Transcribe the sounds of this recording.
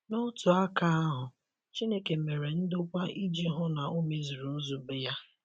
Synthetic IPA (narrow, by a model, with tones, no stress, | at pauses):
nʊ˦tʊ˨a˦ka˦a˦ɦʊ˨ | t͡ʃi˦ne˦ke˨me˨ɾe˨n̩˦dʊ˦kʷa˦i˦d͡ʒi˦ɦʊ˦na˨o˦me˦zi˨ɾu˨˦zu˨bɪ˦ja˦